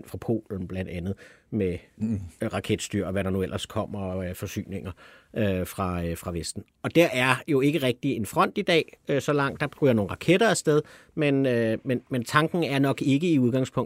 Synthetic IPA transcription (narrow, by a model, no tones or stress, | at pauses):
n̰̥fʁɑ̈pʰo̝̰ːln̩b̥læn̰d̥ænð̞̩ˠme | ʁɑ̈kʰed̥sd̥y̰ɐ̰ɒʋæɾɑ̈nuel̰ʔɐskʰɒ̽m̰ɐfɒ̽sy̰ːne̝ŋ̰ɐ | øfʁɑ̈fʁɑ̈ʋesd̥n̩ | ɒ̽d̥æɐæɐjo̝e̝ɡ̥əʁɛɡ̥̚d̥ie̝nfʁɒ̽n̰d̥id̥ɛ̰ːøsɒ̽lɑ̈ŋ̰d̥ɑ̈b̥ʁyːɐno̝ːn̩ʁɑ̈kʰeɾ̥ɐæsd̥eð̞ˠ | menømenment͡sʰɑ̈ŋɡ̥n̩æɐnɒ̽ɡ̥e̝ɡ̥əiuð̞ˠɡɑ̈ŋspʰɔ̽ŋ